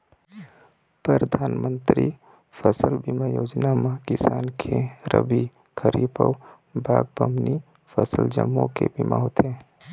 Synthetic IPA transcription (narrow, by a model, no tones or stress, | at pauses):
pɾəɾəd̪ʱaːnmə̃nt̪ɾi | fʰəsəlbimajoːd͡ʒnamãkɪsaːnkʰeɾə̰bi | kʰəɾipəw | bʱaːɡ̚bəmni | pʰəsəld͡ʒəmːõkebima̰ɦot̪e